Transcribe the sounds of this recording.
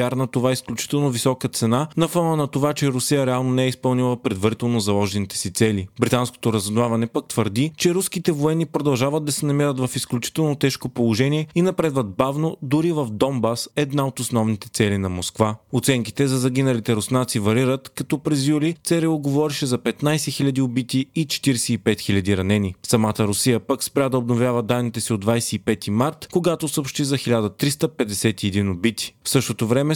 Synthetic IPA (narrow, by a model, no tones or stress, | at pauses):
aɾnɐt̪ovaisklʲut͡ʃi̥t̪ɛlˠnovisɔkət̪sɛnanɐfɔnənɐt̪ovat͡ʃɛɾʊsijəɾɛalˠnonɛɛispɐlˠnʲilˠəpɾɛd̪vɐɾit̪ɛlˠnozɐlˠɔʒɛnit̪ɛ̥sit̪sɛlibɾʲit̪ansko̥t̪oɾɐzvˠavɐnɛpak̚t̪vəɾd̪it͡ʃɛɾuskit̪ɛvoɛnːipɾod̪ɐlˠʒavəd̪̚d̪ɐsɛnɐmiɾət̪vɐfisklʲut͡ʃi̥t̪ɛlˠnot̪ɛʃkopolˠoʒɛniɛinɐpɾɛd̪vət̪̚bavnod̪uɾivɐfd̪ɔmbasɛd̪naot̪osnɔvnit̪ɛ̥t̪sɛlinɐmoskvaot̪sɛŋki̥t̪ɛzɐzɐɡ̟inɐlit̪ɛɾʊsnat̪sivɐɾiɾət̪kɐt̪ɔpɾɛzjulit̪sɛɾɛoɡovɔɾiʃɛzɐpɛt̪najsɛxilʲɐd̪iobit̪iit͡ʃɛ̥t̪iɾsɛipɛt̪xilʲɐd̪iɾɐnɛnisɐmat̪əɾʊsijəpəkspɾʲad̪ɐobnovʲjavəd̪anːit̪ɛsiod̪d̪vajsɛipɛt̪imaɾt̪koɡat̪osəopʃt̪izɐxilʲad̪ət̪ɾist̪əpɛd̪ɛsɛt̪iɛd̪inobit̪i̥fsɤʃt̪ot̪ovɾɛmɛ